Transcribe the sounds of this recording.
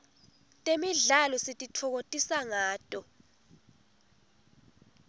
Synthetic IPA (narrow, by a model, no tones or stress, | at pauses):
tʼemiɮalɔsitʼitʰɔk̬otʼisaŋaːtʼɔ